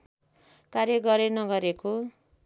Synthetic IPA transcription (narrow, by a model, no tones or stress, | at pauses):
kaɾjʌɡʌɾenʌɡʌɾeko